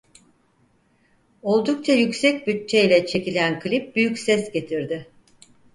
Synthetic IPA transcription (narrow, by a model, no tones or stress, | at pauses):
o̞lˠd̪uk̚t͡ʃʰajycsɛc̚bytt͡ʃʰːejlʲɛt͡ʃʰe̞cilʲænkʰlʲip̚byjycsɛsɟe̞t̪ʰiɾd̪ɪ